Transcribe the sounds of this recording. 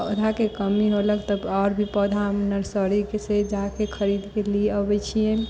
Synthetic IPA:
od̪ʱakekəmiɦoləkt̪əbaɾbʱipəd̪ʱamnəɾsəɾikesed͡ʒakekʰəɾid̪keliəbɛt͡ʃʰien

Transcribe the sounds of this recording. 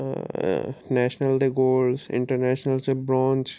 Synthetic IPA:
nɛːʃnəld̪eɡoːlsɪ̰̃ɳʈəɾnɛːʃnəlsebɾɔ̃ːnt͡ʃ

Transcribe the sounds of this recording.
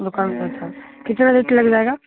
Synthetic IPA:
d̪ʊkaːnsetʰakɪt̪nad̪eːkʰilɐɡd͡ʒaːeːɡaː

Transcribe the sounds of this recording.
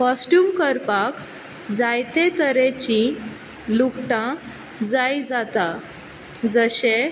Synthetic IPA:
kɔsʈjuːmkəɾpak | d͡zajt̪ẽt̪əɾet͡ɕĩ | lukʈã | d͡zajd͡zat̪a | d͡zəɕe

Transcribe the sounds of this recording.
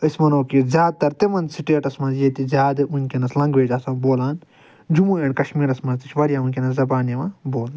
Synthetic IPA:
ɐsmɐnoːkizjaːd̪̚t̪ɐɾt̪eʋɐnsiʈeːʈɐsmãːzieːt̪izʲaːd̪ɨʔunkʲenɐslɐ̃ŋɡʋeːd͡ʒaːsãːboːlaːn | d͡ʒumueːɳʲkɐʃmiːɾɐsmɐnt̪it͡ʃʰʋɐɾijaːunʲkʲenɐszɐbaːnjemãboːln

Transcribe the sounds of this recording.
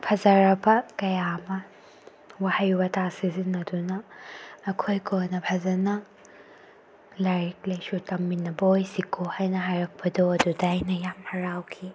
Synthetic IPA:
pʰɐzɐɾɐbɐkɐjamɐ | wahɐjbɐtasizinɐdunɐː | kʰojkʰonɐpʰɐzɐnɐ | laɾik̚lɐjsutɐmːinːɐbojsikʰohajnɐɦajɾɐk̚pʰɐdoɐdudajnɐjamhɐɾawkʰi

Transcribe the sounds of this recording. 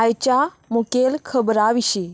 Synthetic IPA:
ajt͡ɕa | mukelkʰəbɾaʋiɕi

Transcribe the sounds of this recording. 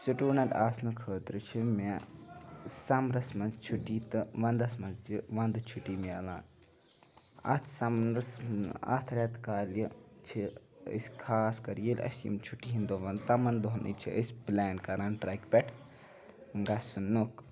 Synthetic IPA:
suʈuːnɐʈaːsnukʰəːt̪ɾɨt͡ʃʰime | sɐmɾɐsmɐnzt͡ʃʰuʈːiːt̪ɨʋɐnd̪ɐsmɐnzd͡ʒiʋɐnd̪t͡ʃʰuʈːiːmeɐla̰ːn | ɐ̰t̪ʰsɐmnɾɐsa̰ːt̪ʰɐɾjat̪kaːljit͡ʃʰiə̰sʲkʰaːskɐɾjelʲʔɐ̰sḭmt͡ʃʰuʈːiɦind̪oʋɐnt̪ɐmɐnd̪oɦnḭt͡ʃʰiʔəsʲblaːnkɐɾaːnʈɾaːkpʲɛʈʰ | ŋɡasunːuk

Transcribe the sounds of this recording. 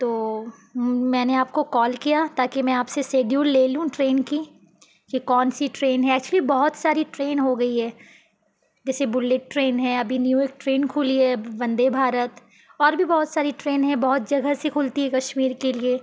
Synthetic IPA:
t̪oː | mɛ̃ːneaːp̚kokɔːlkijat̪aːkimɛ̃aːpseseːɖjuːlːeːlũʈɾeːnki | kikɔːnsiʈɾeːnɦɛ̃ɛːk̚t͡ʃuəlibɔɦʊt̪saːɾiʈɾeːnɦoɡɐiɦɛː | d͡ʒɛːsebʊlːeʈ̚ːɾeːnɦɛ̃ɐbʱinjuːek̚ʈɾeːnkʰʊliɦɛbɐ̃nd̪ebʱaːɾət̪ | ɔːɾbʱibɔːʊt̪saːɾiʈɾeːnɦɛ̃bɐɦʊt̪̚d͡ʒɐɡəsekʰʊlt̪iɦɛkɐʃmiːɾkelie

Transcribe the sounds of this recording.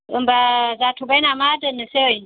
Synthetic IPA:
ʔɪmbazaːtubanamaːdɐnːɐsewaj

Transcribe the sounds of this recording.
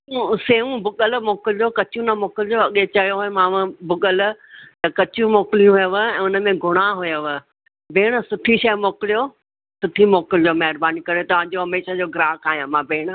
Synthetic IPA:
ũseːũbʊɠəlʊmoːkɪlɪd͡ʑoːkɐt͡ɕũnɐmoːkɪlɪd͡ʑoɐɠet͡ɕɐjoɦoẽmãːʋə̃bʊɠəl̆t̪ɐkɐt͡ɕũmoːkɪlijũɦʊjəʋɛ̃ːʊnə̆mẽɡʱʊɽ̃aɦʊjəʋə | beːɽ̃ə̆sʊʈʰiʃɐjmoːkɪlijo | sʊʈʰimoːkɪld͡ʑoːmɐɦɪɾbaːnikɐɾet̪ɐʋ̤ãɲd͡ʑoːɦɐmeːʃad͡ʑoːɡɾaːkaːɦijãmãbʱeːɽ̃̆

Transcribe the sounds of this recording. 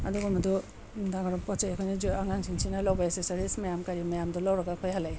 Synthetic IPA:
aduɡɔmadɔ | daŋɾɔpɔt͡ʃajkʰojnid͡ʒiaŋaŋsʰiŋsʰinalawbajasesaɾismajamkaɾimajamdɔlawɾɐɡakʰojhalaj

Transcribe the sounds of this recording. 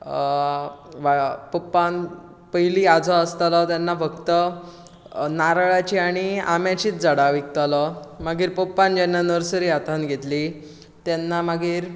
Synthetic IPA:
ʋapəpːan | pəɦiliːad͡zʱəəst̪alɔt̪janːabəɡt̪ə | naɾɭat͡ɕiaɽ̃ia̰mjat͡ɕiːt̪d͡zəɽaʋik̚t̪alɔmaɡiːɾpəpːand͡ʑanːanəɾsəɾiːat̪anɡʱet̪li | t̪janːamaɡiːɾ

